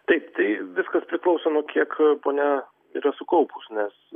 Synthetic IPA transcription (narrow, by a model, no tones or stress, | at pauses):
t̪ɐɪpt̪ɐɪʋʲɪskɐspʲɾʲɪklˠɒʊsoːnuɔkʲiɛkpoːnʲɛ | ḭːɾɐsʊkɐʊpusnʲɛs